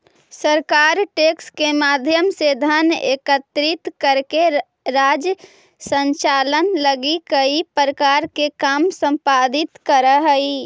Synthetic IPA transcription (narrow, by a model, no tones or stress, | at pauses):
səɾkaːɾʈeːkskemaːd̪ʱjəmsed̪ʱəneːkət̪ɾɪt̪kəɾke | ɾaːd͡ʒj | sə̃ɲt͡ʃaːlənləɡikəipɾəkaːɾkekaːmsə̃mpaːd̪ɪt̪kəɾəɦəi